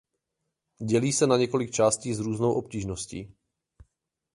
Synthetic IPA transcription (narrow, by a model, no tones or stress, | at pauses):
ɟɛliːsɛnaɲɛko̞lɪkt͡ʃaːsciːzɾuːznowʔo̞p̚ciːʒnoscḭː